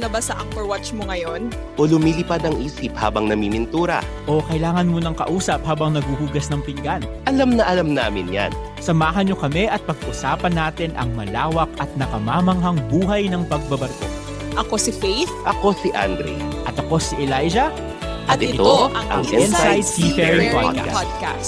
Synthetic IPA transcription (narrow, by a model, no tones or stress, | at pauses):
nɐbɐsɐʔɐŋpɛɹwat͡ʃmoŋɐjon | ʔolʊmiːlɪpad̪ɐŋʔiːsɪpha̰ːbɐŋnɐmimɪnt̪uːɾɐ̰ | ʔo̞kɐjlaːŋɐnmunɐŋkɐ̰ʔuːsɐp̚haːbɐŋnɐɡ̚uhuːɡɐsnɐŋpɪŋɡanʔɐlamnɐʔɐlamnaːmɪnja̰n | sɐmaːɦɐnɲo̞kɐmɛʔɐt̪̚pɐɡ̚ʔʊsaːpɐnːaːt̪ɪnʔɐ̰ŋmɐlaːwɐk̚ɐt̪̚nɐkɐmaːmɐŋɦɐŋbuːɦɐjnɐŋpɐɡ̚bɐbɐɾt̪o̰ | ʔɐkosifejθʔɐko̞siʔa̰nd̪ɾḭʔɐt̪ɐko̞siʔɛlajd͡ʒɐ | ʔɐt̪ɪt̪oɐʔɐɐŋʔɛnsajd̪sifɛɹpadka̰sd̪̚ka̰s